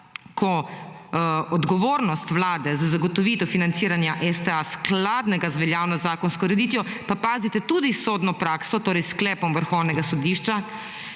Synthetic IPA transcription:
kʰɔ | ɔd̪ɡɔʋoːɾnɔst̪ʋlaːd̪ɛzazaɡɔt̪ɔʋiːt̪ɔfinant̪siːɾanjaʔɛst̪ɛasklaːd̪nɛɡazʋɛljaːwnɔzaːkɔnskɔɾɛd̪it̪jɔpapaːzit̪ɛt̪uːd̪isod̪nɔpɾaːksɔt̪oːɾɛjsklɛːpɔmʋəɾxɔwnɛɡasɔd̪iːʃt͡ʃa

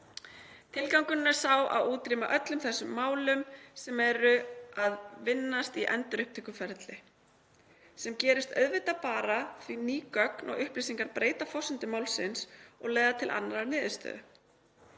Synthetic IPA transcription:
t̪ʰɪlkawŋkʏnnaɾ̥saːwʔa̰wuːt̪ɾiːmaʔœt̪lʏmθɛsːʏmːaːwlʏmsɛmɛɾʏaðvɪnːast̪iʔɛ̰nt̪ʏɾʏhp̚t̪ʰɛːkʏfɛɾt̪lɪ | sɛmcɛːɾɪst̪œ̰ðvɪt̪apaːɾaθviniːkœknɔ̰ɣʏhpɾisiŋkaɾpɾeːjt̪afɔsʏnt̪ʏmaːwlsɪnsɔɣleːɣðat̪ʰɪlʔa̰nːaɾaɾnɪːðɪst̪œ̰ːðʏ

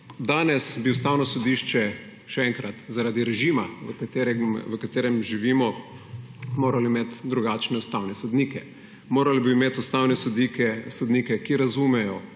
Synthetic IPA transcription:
d̪aːnɛsbiʊst̪aːwnɔsɔd̪iːʃt͡ʃɛ | ʃɛɛŋkɾat̪zaɾaːd̪iɾɛʒimaʋəkat̪eɾɛʋəkat̪eːɾɛmʒiʋiːmɔ | moːɾaliimeːt̪d̪ɾuɡaːt͡ʃnɛust̪awnɛsɔd̪niːkɛ | moːɾalibiːmeːt̪ust̪aːwnɛsɔd̪ikɛsɔd̪niːkɛkiɾazuːmɛjɔ

